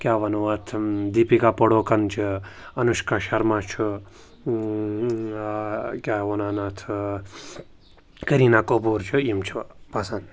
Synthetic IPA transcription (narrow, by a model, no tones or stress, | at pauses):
kʲjaːʋɐnoat̪ʰd̪iːpikaːpəɽoːkɐnt͡ʃʰɨɐnuʃkaʃɐɾmãt͡ʃʰu | kʲjaːʋonaːnat̪ʰ | kəɾinaːkopuːɾt͡ʃʰuimt͡ʃʰupasan